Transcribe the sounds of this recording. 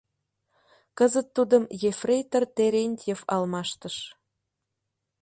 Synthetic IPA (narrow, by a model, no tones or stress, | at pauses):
kəzət̪ːud̪əmjefrʲejt̪ərt̪eɾʲenʲt̪ʲjefɑlmɑʃt̪əʃ